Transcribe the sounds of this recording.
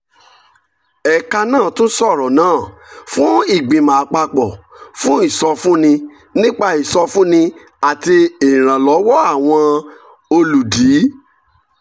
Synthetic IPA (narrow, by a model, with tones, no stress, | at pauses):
ɛ˨ka˧nãː˦˨tũ˦n̩˦sɔ˦˨ɾɔ˨nãː˦˨fũ˦i˦˨ɡ͡bĩ˨mã˨a˨k͡pa˧k͡pɔ˨fũ˦i˦˨sɔ˧fũ˦nĩ˧ | nĩ˦k͡pa˧i˨sɔ˧fũ˦nĩ˧ | a˨ti˧ĩ˨ɾ̃ã˨lɔ˨˦wɔ˦a˦˨w̃ɔ̃˧ | o˧lu˨di˨˦